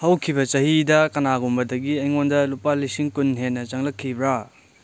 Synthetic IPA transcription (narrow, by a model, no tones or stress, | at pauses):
hɐwkʰibɐt͡ʃɐhidɐkɐnaɡumbɐdɐɡiɐjŋondɐlupalisiŋkunɦenːɐt͡ʃɐŋlɐkʰːibɾa